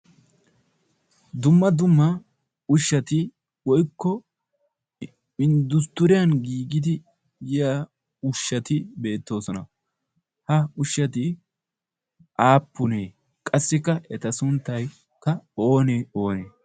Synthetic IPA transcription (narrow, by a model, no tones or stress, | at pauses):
d̪ʊmːɐd̪ʊmːɐ | ʊʃːɐt̪ɪ | wɔjkːɔ | ɪnd̪ʊst̪ʊɾɪjɐnɡiːɡɪd̪ɪ | jɪjaː | ʊʃːɐt̪ɪbe̞ːt̪ːo̞ːsɔnɐ̰ | hɐʊʃːɐt̪̬ɪ | ʔaːpːʊneː | kʼɐsːɪkːɐʔɛt̪ɐsʊnt̪ːɐj | kːɐo̞ːneːo̞ːneː